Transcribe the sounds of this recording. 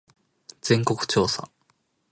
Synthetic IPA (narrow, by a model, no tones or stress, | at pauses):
d͡z̥ẽ̞ŋko̞kɯ̟̥t͡ɕo̞ːsa̰